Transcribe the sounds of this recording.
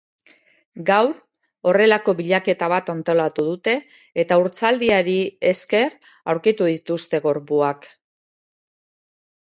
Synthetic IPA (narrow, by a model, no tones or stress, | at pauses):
ɡawɾ | o̞re̞lako̞βiʎake̞t̪aβ̞at̪ant̪o̞lat̪uðut̪e̞ː | t̪auɾt͡sald̪iaɾie̞ske̞r | awɾkit̪uðit̪ust̪e̞ɣo̞ɾpuak